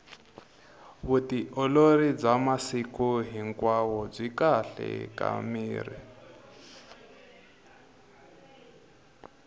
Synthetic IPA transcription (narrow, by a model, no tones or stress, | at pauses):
βutiʔɔloɾid͡zamasikuɦiŋkwawɔd͡zʷikaɬɛ̰ka̰miːrḭ